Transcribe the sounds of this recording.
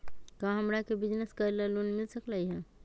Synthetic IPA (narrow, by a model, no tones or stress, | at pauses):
kãɦəmɾakebid͡ʒneskəɾlalonmilsəklajɦɛ̃